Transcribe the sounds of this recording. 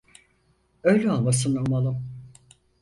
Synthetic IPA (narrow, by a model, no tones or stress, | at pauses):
øjlʲɛolˠmas̬ɯnalˠmalˠɯm